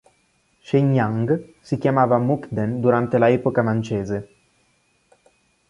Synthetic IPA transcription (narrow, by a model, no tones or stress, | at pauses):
ʃeɲaŋɡsikjamaːvamukd̪end̪uɾant̪elaɛːpokamant͡ʃeːze